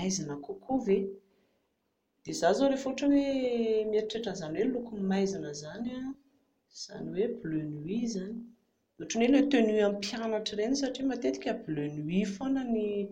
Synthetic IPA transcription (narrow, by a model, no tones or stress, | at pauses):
ajzanəkokʰove | d̪̥ezazoɾefuʈ͡ʂuw̪emeɾiʈ͡ʂeʈ͡ʂəzaniwelukumimajzanəzana | z̥a̰niweblønwizani̥ | uʈ͡ʂunelet̪enyampjanaʈ͡ʂirenisaʈ͡ʂimat̪et̪i̥kʲəblønwifanəni